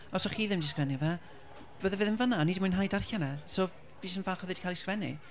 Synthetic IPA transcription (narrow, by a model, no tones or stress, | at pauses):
ɔsɔχiːðɪmdiskvɛnivɛ | b̥əðɛvɨːðɪnvənaniːdimʊjnɦajdarxanɛsɔː | v̥iːsənvaːχɔðɨd̥kʰajlˠiskvɛnḭ